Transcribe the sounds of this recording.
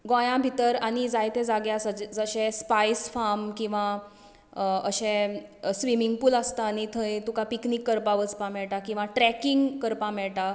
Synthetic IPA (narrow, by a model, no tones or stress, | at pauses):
ɡɔ̃jãbʱit̪əɾaɽ̃id͡zajt̪ʰed͡zaɡjasəd͡ʑd͡zəɕɛ̃spajsfamkĩw̃ʋa | əɕẽsʋimiŋɡpuləst̪aːñit̪ʰəet̪ukapiknikːəɾpaʋəd͡zpãmɛɭʈakĩw̃ʋaʈɾɛkiŋɡkəɾpãmɛɭʈa